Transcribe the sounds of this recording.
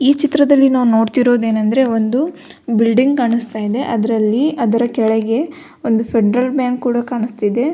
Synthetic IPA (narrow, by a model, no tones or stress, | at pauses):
iːt͡ʃit̪ɾɐd̪ɐlːinaːʋno̞ːɽt̪iɾo̞ːd̪e̞ːnɐnd̪ɾe̞o̞nd̪u | bilɖiŋɡ̚kaːɳust̪aːjid̪e̞ʔɐd̪ɐɾɐlːiɐd̪ɐɾɐkɛɭeɡe̞ | o̞nd̪upʰeɖɾɐlbjaːŋkːkuːɽɐkaːɳist̪id̪e̞